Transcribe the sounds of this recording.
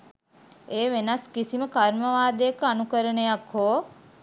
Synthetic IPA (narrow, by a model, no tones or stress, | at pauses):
eːʋenaskisiməkaɾməʋaːd̪ejəkəanukəɾənəjakɦoː